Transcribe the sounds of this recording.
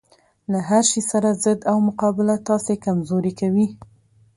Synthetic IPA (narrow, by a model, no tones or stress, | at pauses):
laɦaɾʃisaɾazɪd̪awmʊqɑbɪlat̪ɑsekamzoɾikawi